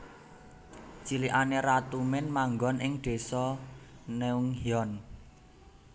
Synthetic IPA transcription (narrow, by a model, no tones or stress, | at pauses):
t͡ʃiliʔanerat̪umɪnmaŋɡɔnɪŋɖ̪̥e̤sɔneuŋhiɔn